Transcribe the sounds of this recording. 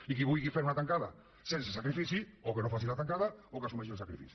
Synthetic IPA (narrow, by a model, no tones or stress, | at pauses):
ikiβujɣifeɾunat̪aŋkaða̰ | sensesakɾifiθjiokenõfaθiɾat̪aŋkaðaokasumeʃosakɾifḭθj